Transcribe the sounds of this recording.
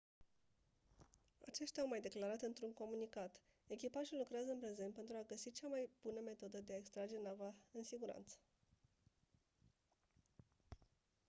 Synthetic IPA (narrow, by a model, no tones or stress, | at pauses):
a̰t͡ʃe̞ʃt̪ʲaawmajd̪e̞klaɾat̪ɨnt̪ɾuŋko̞munikat̪ | e̞kʲipaʒilukɾeazəɨnpɾe̞zet̪pe̞nt̪ɾuaɡəsit͡ʃamajb̥unəme̞t̪o̞d̪əd̪e̞aekst̪ɾad͡ʒe̞navaɨnsiɡuɾa̰nt̪sə̥